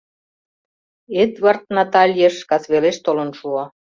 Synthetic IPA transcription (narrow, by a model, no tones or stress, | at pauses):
et̪βɑrt̪̚nɑt̪ɑlʲjeʃkɑsβeleʃt̪olə̆nʃuɑ